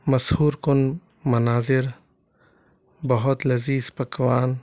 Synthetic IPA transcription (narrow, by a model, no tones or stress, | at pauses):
mɐshuːɾkʊn | mɐnaːzɪɾ | bɐɦʊt̪lɐziːzpɐkʋaːn